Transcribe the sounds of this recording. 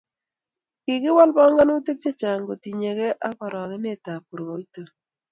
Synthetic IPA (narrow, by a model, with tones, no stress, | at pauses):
kɪ˨kɪ˦wa˦lbɔ˦ŋɡa˦no˦te˦k̚t͡ʃe˦t͡ʃa˨ŋɡo˨ti˨ɲe˨kɛ˦ʔa˦kɔ˨ɾɔ˨ɣɪ˦ne˦˨ta˨pu˨ɾwo˨i˦to˨